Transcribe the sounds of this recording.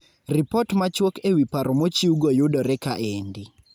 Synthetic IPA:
ripɔtmat͡ʃwɔkewipaɾɔmot͡ʃiuɡɔjʊdɔɾɛkaʔendi

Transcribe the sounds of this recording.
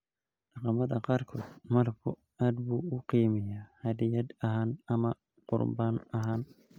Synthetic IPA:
ɖ̥ɑqɑmɐðɐqɑːrkʰɔːd̪mɐrkʰʊ | aːd̪buːʊqiːmɛjahɐðɪjɐd̪ɐɦaːnɐmɐ | qʊ̰rbaːnɐɦaːn

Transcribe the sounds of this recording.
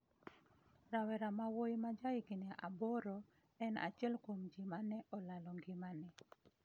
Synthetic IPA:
ɾawɛɾamawojmad͡ʒaɪkɪneʔabɔɾɔ | ɛna̰t͡ʃɪɛlkomd͡ʒɪmanɛʔɔlalɔŋɡɪmanɛ

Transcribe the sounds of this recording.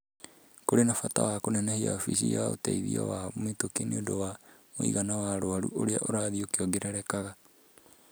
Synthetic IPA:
koɾenafata̰wakonaenahia̰ofisiao̰tḛiðio̰wamitokinedowamoḭɣanawaɾoaɾṵoɾeaʔoɾaðiokioɡeɾaɾekaɣa

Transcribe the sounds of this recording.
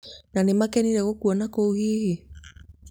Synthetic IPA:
nanemakɛniɾɛɣɔkuɔnakouhiːhe

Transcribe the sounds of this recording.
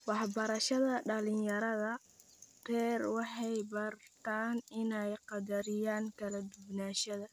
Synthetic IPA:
wɑħbɐɾɐʃɐðɐɖɐlɪnjɐɾɐðɐ | rɛːrwɑħɑjbɐrt̪ʰaːnɪnɛjqɑd̪ɐɾɪjaːŋkʰɐlɐd̪ʊbnaːʃɐðɐ

